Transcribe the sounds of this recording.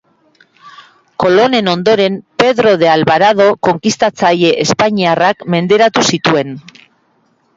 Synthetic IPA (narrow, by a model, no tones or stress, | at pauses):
ko̞lo̞ne̞no̞nd̪o̞ɾe̞mpe̞ðɾo̞ðe̞alβaɾað̞o̞ko̞ŋkist̪at͡saje̞ʔespaɲiarakme̞nd̪e̞ɾat̪usit̪ue̞n